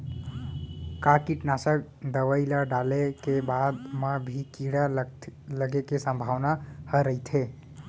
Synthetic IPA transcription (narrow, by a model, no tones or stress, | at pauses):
kaɾkiʈnasək̚ | d̪əʋəɪlaɖalekebad̪mebʱikiɽaləɡekesə̃mbʱaʋnahəɾəit̪ʰe